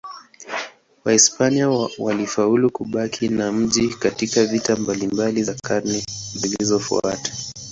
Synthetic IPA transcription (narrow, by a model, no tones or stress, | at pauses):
waispaniawalifaulukuɓakʰinam̩ʄikatikavitambalimbalizakʰaɾnɛzilizɔfṵa̰tḁ